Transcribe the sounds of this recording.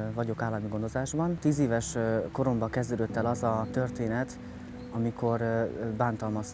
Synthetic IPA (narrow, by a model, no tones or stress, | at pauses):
vɒɟo̞kaːlːɒmiɡo̞nd̪ozaːʒbɒnt̪iːzeːvɛʃko̞ɾo̞mbɒkɛzd̪øːd̪øt̪ːɛlɒzɒt̪ø̞rt̪eːnɛt̪ | ɒmiko̞rbaːnt̪ɒlmɒs